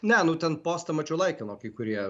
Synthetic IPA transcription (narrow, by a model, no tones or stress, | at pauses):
nʲɛnʊt̪ʲɛnpoːst̪ɐmɐt͡ʃʲʊlˠɐɪkʲɛnoːkʲikʊɾʲiɛ